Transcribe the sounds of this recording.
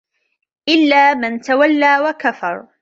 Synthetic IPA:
ʔɪlːaːmant̪awalːaːwakafɑɾˤ

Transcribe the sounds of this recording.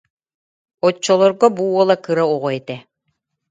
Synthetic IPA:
ɔt͡ʃːɔlˠɔɾɡɔbuːɔlˠakɯɾauʁɔɛt̪ɛ

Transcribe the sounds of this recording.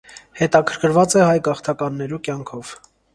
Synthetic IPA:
hɛt̪ɑkʰəɾkʰəɾvɑt͡sɛhɑjɡɑχt̪ʰɑkɑnːɛɾukjɑŋkʰɔv̥

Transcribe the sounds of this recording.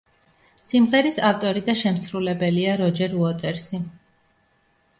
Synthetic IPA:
simʁɛɾisaft̪ʼɔɾid̪aʃɛmsɾulɛbɛliaɾɔd͡ʒɛɾuɔt̪ʼɛɾsi

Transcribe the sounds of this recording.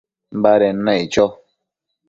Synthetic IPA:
m̩baɾɛn̩nait͡ʃɔ

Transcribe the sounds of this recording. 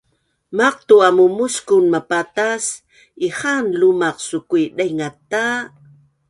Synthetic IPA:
maq̚t̪uamumuskunmapat̪as | iχanlumaqsukujɗajŋat̪ːa

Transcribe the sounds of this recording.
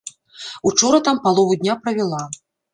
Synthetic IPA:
ut͡ʂɔɾɐt̪ampalˠɔvud̪ʲnʲapɾɐvʲɛlˠa

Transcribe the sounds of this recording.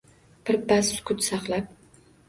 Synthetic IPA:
b̥ɪɾbassʊ̥kʰʊt̪sɑqlap̚

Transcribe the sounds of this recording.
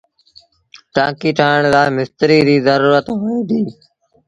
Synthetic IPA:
ʈãːkiːʈʰaːəɳ̃zaːmɪst̪ɾiːɾiːzəɾuːɾət̪ːeːd̪iː

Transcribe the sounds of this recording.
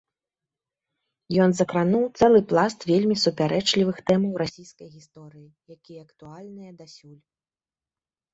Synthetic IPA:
jɔnzɐkɾanuwt̪sɛlˠɨplˠast̪vʲelʲmʲisupʲaɾɛt͡ʂlʲivɨxt̪ɛmɐwrasʲijskɐjɣʲist̪ɔɾɨji | jakʲijɛɐkt̪ualʲnɨjɛd̪asʲulʲ

